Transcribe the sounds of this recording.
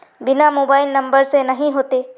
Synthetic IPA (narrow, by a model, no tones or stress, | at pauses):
bɪnamoːbaːɪlnɐ̃mbəɾsenɐɦĩɦoːt̪eː